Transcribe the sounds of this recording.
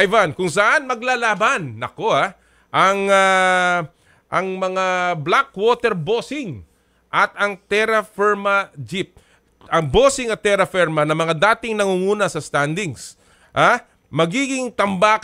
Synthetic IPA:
jvankʊŋs̬ɐʔanmɐɡlalaːbɐnːɐko̞a | ʔɐŋa | ʔɐŋmɐŋablakwoːt̪ɛɾboːsɪŋ | ʔɐt̪ɐŋt̪ɛɾɐfɛɹmɐd͡ʒip̚ | ɐŋboːsɪŋɐt̪ːɛɾɐfɛɾmɐnɐmɐŋad̪aːt̪ɪŋnɐŋuŋuːnɐsɐst̪and̪ɪŋs | ʔa | mɐɡiːɡɪŋt̪ɐmbaːk

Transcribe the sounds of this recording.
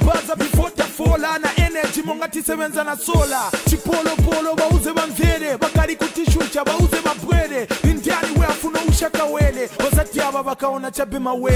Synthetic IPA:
bazavifɔtʼafɔlanaʔɛnɛd͡ʒimɔŋɡatisɛβɛnd͡zanasɔːlat͡ʃʰipɔlɔpɔlɔβauzɛβaɱvʱɛɾɛβakaɺikutiʃut͡ʃaβauzɛβabwɛɾɛdindʱianiwɛafunauʃakawɛlɛβɔsatiaβaβakaɔnat͡ʃʰabɛmawɛ

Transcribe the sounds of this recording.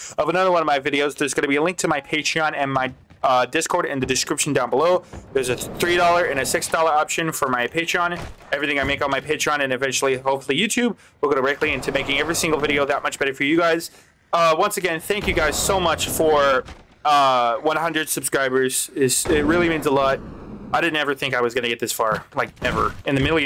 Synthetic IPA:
ʌvənʌðə˞wʌ̃nʌvmaɪvɪɾioʊzðə˞zɡ̥ʌnɨbiɨlɪ̃ŋk̚tʰɨmaɪpʰeɪtɹ̥iɑ̃nɨ̃nmaɪ | ʌdɪskʰɔɹɾɨ̰̃nðɨdɨskɹɪpʃn̩dãʊ̃nbəloʊðə˞zɨθɹiɾɔlˠə˞ɨ̃nɨsɪksd̥ɔlˠə˞ɑpʃɨ̃nfə˞maɪpʰeɪtɹ̥iɑ̃nɛvɹiθɪ̃ŋaɪmeɪkʌnmaɪpʰeɪtɹ̥iɑ̃nɨ̃nɨvɛ̃nt͡ʃl̩ˠiɦoʊpfl̩ˠijʉtʰʉb̚ | wʊkɾɨbɹɛɪklˠiɨ̃ntʰɨmeɪkɪ̃ŋɛvɹisɪ̃ŋɡl̩ˠvɪɾioʊðət̚mʌt͡ʃb̥ɛɾə˞fə˞jɨɡaɪz̥ | ʌwʌ̃nsɨɡɛ̃nθæ̃ŋkjɨɡaɪz̥soʊmʌt͡ʃfə˞ | ʌwʌ̃nhʌ̃ndɹɨd̥sɨb̥skɹaɪbə˞z̥ɪz̥ɪt̚ɹɪlˠimĩnzəlɔt̚aɪɾɪdⁿn̩tɛvə˞θɪ̃ŋkaɪwʌzɡʌñɨɡɛt̪̚ðɪsfɑɹlaɪk̚nɛvə˞ɨ̃nðɨmɪɾl̩ˠ

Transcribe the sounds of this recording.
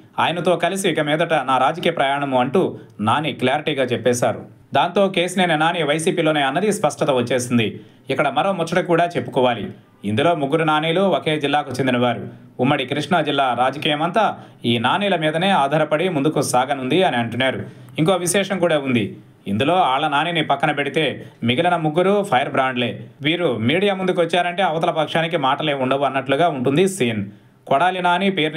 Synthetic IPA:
aːjɐnɐt̪o̞ːkɐlisiːkɐmɛːd̪ɐʈɐnaːɾaːd͡ʒɐkiːjɐpɾɐjaːɳɐmuɐɳʈuːnaːnikljaːɾiʈiːɡaːt͡ʃɛpːɛːsaːɾu | d̪aːnt̪o̞ːke̞ːsineːnɐnaːniːʋɐjsiːpiːlo̞ːneːɐnːɐd̪ispɐʂʈɐt̪ɐʋɐt͡ʃːeːsind̪i | ikːɐɽɐmɐɾo̞ːmɔt͡ʃːɐʈɐkuːɽaːt͡ʃe̞pːu̥kɔːʋaːlḭ | ind̪ulo̞ːmuɡːuɾunaːniːloːokeːd͡ʒilːaːkut͡ʃend̪inɐʋaːɾu | umːɐɽikɾiʂɳɐd͡ʒilːaːɾaːd͡ʒɐkiːjɐmɐnt̪aː | iːnaːniːlɐmiːd̪ɐne̞ːaːd̪ʱaːɾɐpɐɽimund̪ukusaːɡɐnund̪iɐniɐɳʈunːaːɾu | iŋko̞ːʋiʃɛːʂɐŋkuːɽaːund̪ḭ | ind̪ulo̞ːaːɭːɐnaːniːnipɐkːɐnɐpe̞ɽit̪e̞ːmiɡɐlɐnɐmuɡːuɾupʰɐjɐɾbɾaːɳɖle̞ːʋiːɾumiːɽijaːmund̪uk̬ʋɐt͡ʃːaːɾɐɳʈe̞ːɐʋɐt̪ɐlɐpɐkʂaːnik̬imaːʈɐle̞ːuɳɖɐʋuɐnːɐʈluɡaːuɳʈund̪isiːn | kɔɽaːlinaːnipeːɾn

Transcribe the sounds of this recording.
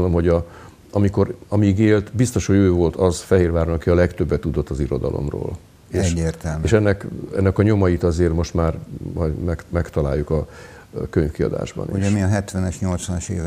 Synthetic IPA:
lomɦo̞ɟɒ | ɒmiko̞ɾɒmiɡeːlt̪bist̪o̞ʃho̞ɟøːvo̞lt̪ʰɒzfɛɦeːrvaːrnɒkiɒlɛkt̪øbːɛt̪ːud̪o̞t̪ːɒziɾo̞d̪ɒ̰lo̞̰mro̰ːl | eːeːrt̪ɛeːʃɛnːɛkɛnːɛkɒɲo̞mɒjit̪ɒzeːrmo̞ʃt̪maːrmɒjmɛkmɛkt̪ɒla̰ːjːukɒ | køɲfkiɒ̰d̪a̰ːʒbɒ̰niṵɛmiɒɦɛt̪ʋɛnɛʃɲo̞lt̪sʋɒnɒʃḛːv

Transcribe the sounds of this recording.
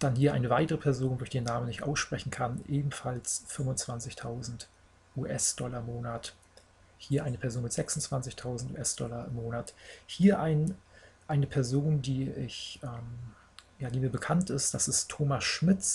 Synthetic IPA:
d̥anhiːɐʔa̰ɪnəvaɪtəʁəpʰɛɐzoːndoːçd̥eːnːaːmənɪçtʔa̰ʊsʃpʁ̥ɛçn̩kʰanʔeːbm̩falsfʏmʊnt͡sv̥ant͡sɪçtʰaʊzn̩t | ʔuːʔɛsd̥ɔlɐɪmoːnat | hiːɐʔaɪnəpʰɛɐzoːnmɪtz̥ɛksʊnt͡sv̥ant͡sɪçtʰaʊzn̩tṵːʔɛsd̥ɔlɐɪmːoːnathiːɐʔaɪnʔaɪnəpʰɛɐzoːndiːɪçʔɛːm | jaːdiːmiːɐbəkʰantɪstd̥asɪstʰːoːmasʃmɪt͡s

